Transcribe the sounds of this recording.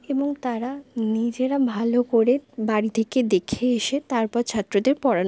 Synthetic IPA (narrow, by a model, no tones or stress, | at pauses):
eboŋt̪aɾanid͡ʑeɾabʱalokoɾebaɽit̪ʰeked̪ekʰeeʃet̪aɾpɔɾt͡ɕʰat̪ːɾod̪eɾpɔɽal